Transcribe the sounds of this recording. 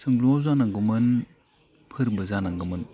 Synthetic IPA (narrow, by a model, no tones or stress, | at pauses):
sɯŋluazanaŋɡɯmɯn | pʰɯɾbɯzanaŋɡɯmɯn